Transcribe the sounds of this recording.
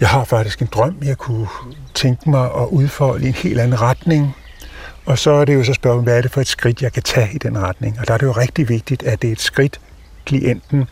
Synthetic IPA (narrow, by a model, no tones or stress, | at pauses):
jɑ̈ɪɦɑ̈fɑ̈ɡ̥̚d̥isɡ̥e̝nd̥ʁɶm̰jɑ̈ɪkʰut͡sʰeŋɡ̥əmɑ̈ɪʔɒ̽ʔuð̞ˠfɒləe̝nhe̝̰ːld̥ænn̩ʁɑd̥ne̝ŋ | ɒ̽sɒ̽æɐɾe̝jo̝s̬ɒ̽sb̥ɶɐsm̩ʋææɐɾe̝fɒ̽e̝d̥sɡ̥ʁid̥jɑ̈ɪkʰæt͡sʰɛ̰ːid̥enʁad̥ne̝ŋɒ̽d̥ɑ̈æɐɾejo̝ʁeɡ̥̚d̥iʋe̝ɡ̥̚d̥id̥æɐd̥e̝e̝d̥sɡ̥ʁid̥ | kʰliʔen̰d̥n̩